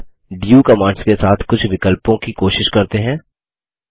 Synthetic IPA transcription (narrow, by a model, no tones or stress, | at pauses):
ɖijuːkɐmãːɳɖskesaːt̪ʰkʊt͡ʃʰʋɪkəlpõkikoːʃɪʃkɐɾt̪eɦɛ̃ː